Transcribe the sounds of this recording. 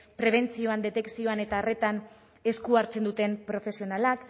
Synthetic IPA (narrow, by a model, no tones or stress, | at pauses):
pɾe̞β̞e̞nt͡sio̞and̪e̞t̪e̞ksio̞ane̞t̪aːre̞t̪an | e̞skuaɾt͡se̞nd̪ut̪e̞mpɾo̞fe̞sio̞nalak